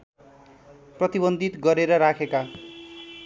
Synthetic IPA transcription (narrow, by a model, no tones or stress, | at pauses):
prʌt̪ibʌnd̪ʱit̪ɡʌɾeɾʌɾakʰeka